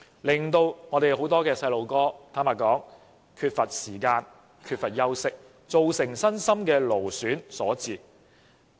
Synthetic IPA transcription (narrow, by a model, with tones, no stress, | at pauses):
lɪ˨˩ŋt̪o˧wŋɔː˨˧ɾe˨jho˨˥wt̪ɔː˥kɛː˧sɐ˧jlo˨˧wkɔː˥t̪ʰaː˥maː˨˩kɔː˨˥ŋ | kʰyː˧t̚fɐ˨t̚siː˨˩kaː˧n | kʰyː˧t̚fɐ˨t̚jɐ˥wsɪ˥k̚ | t͡so˨wsɪ˨˩ŋsɐ˥nsɐ˥mkɛː˧lo˨˩wsyː˨˥nsɔː˨˥t͡siː˨˩